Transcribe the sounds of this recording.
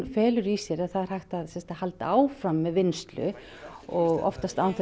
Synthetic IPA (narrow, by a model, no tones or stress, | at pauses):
fɛːlʏɾisjɛɾaðθaðɾ̥hajht̪aðsɛmst̪ahalt̪aːwfɾamːɛðvɪnst̪lʏ̰ | ɔɣɔ̰ft̪ast̪awanθ